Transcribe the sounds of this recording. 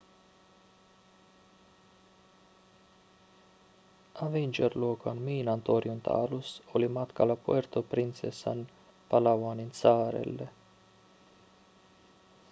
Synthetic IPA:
avinʲd͡ʒerloːkanmiːnant̪oɾjunt̪ʰa̰ːlusolimat̪kalapuert̪opɾint̪sesa̰n | palawaninsaːɾḛlːḛ

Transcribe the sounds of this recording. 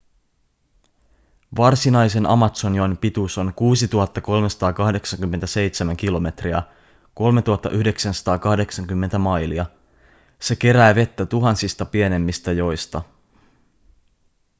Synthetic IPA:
ʋɑrsinɑjse̞nʔɑ̰mɑt̪so̞nionpit̪uso̞nkuːsit̪uɦɑt̪ːɑko̞lmesɑ̥t̪ɑːkɑhde̞ksɑŋkymːent̪æse̞jt̪semæŋk̟ilo̞me̞t̪riæ̰ | ko̞lme̞t̪uhɑt̪ːɑ̰ʔyhde̞ksænsɑ̥t̪ɑːkɑhde̞ksɑŋkymːe̞nt̪æmɑjliɑ | se̞k̟e̞ɾæːʋe̞t̪ːæt̪uɦɑnsist̪ɑpie̞ne̞mːist̪æjo̞jst̪ɑ

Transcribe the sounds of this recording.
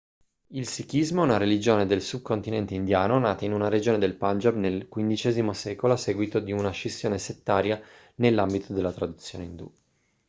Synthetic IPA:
ilsikizmoɛunaɾelid͡ʒoːned̪elsub̚kont̪inɛnt̪eind̪jaːnonaːt̪ainunaɾed͡ʒoːned̪elpand͡ʒabnelkwind̪it͡ʃɛːzimosɛːkoloasːɛːɡwit̪od̪iunaʃesːjoːneset̪ːaːɾja | nelːambit̪ʰod̪elːat̪ɾad̪ut̪sːjo̰ːneind̪ṵ

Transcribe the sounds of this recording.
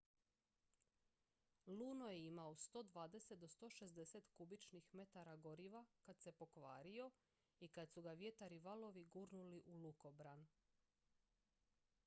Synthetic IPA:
luːno̞jeimaost̪o̞ːd̪ʋaːd̪e̞se̞t̪̚d̪ost̪o̞ːʃe̞zd̪eset̪kubit͡ʃnixme̞t̪aɾaɡo̞ɾiʋakad̪se̞po̞kʋaːɾio̞ | ikad̪suɡaʋje̞t̪aɾiʋalo̞ʋiɡuːɾnuliʔuluko̞bɾan

